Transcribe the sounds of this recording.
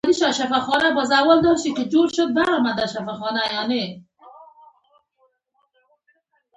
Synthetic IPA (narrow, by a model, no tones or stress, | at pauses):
d̪iʃaʃafaxɔnabɔzawald̪ɔɾʃikɪd͡ʒoɾʃʊd̪̚baɾɔmad̪aʃafaxɔnajɔne